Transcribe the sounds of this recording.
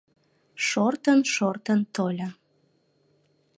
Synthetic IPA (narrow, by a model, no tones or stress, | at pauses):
ʃort̪ənʃort̪ənt̪olʲɑ